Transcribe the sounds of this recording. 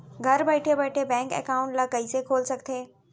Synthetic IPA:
ɡʱɐɾbeːɪʈʰebɛːʈʰebɛ̃ːŋkɛ̰ːkaːʊ̃ɳʈlɐkəisekʰoːlsɐɡʱt̪ʰeː

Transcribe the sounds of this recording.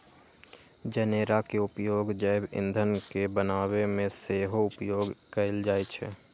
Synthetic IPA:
d͡ʒəneːɾakeʊpjoːɡd͡ʒəɪbɪ̰̃nd̪ʱənkebənaːwemẽseːɦoʊpjoːɡkəɪld͡ʒaːet͡ʃʰɛ̰ː

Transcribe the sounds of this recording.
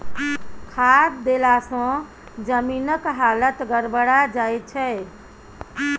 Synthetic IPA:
kʰad̪d̪elasə̃ | d͡ʒəminəkɦalət̪ɡəɾbəɽad͡ʒajt̪̚t͡ʃʰɛ

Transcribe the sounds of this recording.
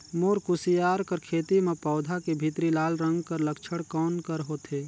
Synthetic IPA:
moːɾkusijaːɾkəɾkʰeːt̪imẽpɔːd̪ʱakebʱit̪ɾilaːlɾə̃ŋɡkəɾləkt͡ʃʰəɽkɔːnkəɾɦoːt̪eː

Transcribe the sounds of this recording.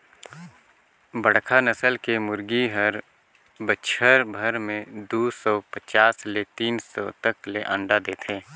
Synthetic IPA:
bəɽkʰanəsəlkemʊɾɡiɦəɾ | bəʃʰəɾbʱəɾmẽd̪uːsɔpət͡ʃaːslet̪iːnsɔ̰t̪əkleʔə̃ɳɖad̪eːt̪ʰẽː

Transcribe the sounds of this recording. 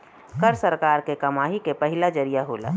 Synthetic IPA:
kəɾsəɾkaːɾkekəmaːɦikepəɦɪlad͡ʒəɾijaɦoːla̰

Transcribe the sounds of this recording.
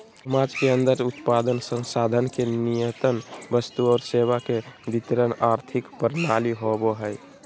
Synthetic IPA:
mãd͡ʒkeənd̪əɾut̪pad̪ənsə̃ŋsad̪ʱənkenijət̪ənbəst̪uɔːɾseβakebit̪ɾənaɾt̪ʰikpəɾnaliɦoboɦəj

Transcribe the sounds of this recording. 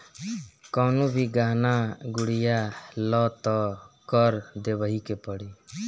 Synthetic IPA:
kɔwnubʱiɡaɦnaɡuɽijalɔt̪ɔkəɾd̪ebəɦikepəɽi

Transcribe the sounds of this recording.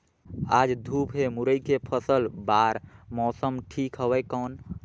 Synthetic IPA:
aːd͡ʒd̪ʱuːpɦemuɾəikepʰəsəlbaːɾmɔːsəmʈʰiːkɦəwɛkɔːn

